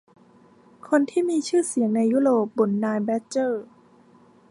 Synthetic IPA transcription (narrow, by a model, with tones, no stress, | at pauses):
kʰo˧nt̪ʰiː˥˩miː˧t͡ɕʰɯː˥˩si˨˩˦əŋna˧jːuː˦˥ɾoː˨˩p̚bo˨˩˦nːaː˧jbɛ˦˥t͡ɕɤː˥˩